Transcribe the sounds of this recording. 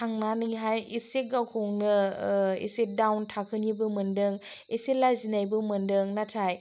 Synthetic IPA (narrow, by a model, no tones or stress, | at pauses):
aŋnanɯɦajiseɡawkʰoŋnɯḛsedawntʰakʰɯnibɯmɯndɯŋ | eselazinajbɯmɯndɯŋnatʰaj